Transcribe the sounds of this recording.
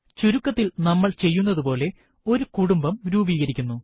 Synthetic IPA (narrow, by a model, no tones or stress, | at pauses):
t͡ɕuɾukːɐt̪ːilnɐmːɐɭt͡ɕe̞jːunːɐðupo̞ːle̞ | o̞ɾukuɽumbɐmɾuːbiːɣɐɾikʲːunːu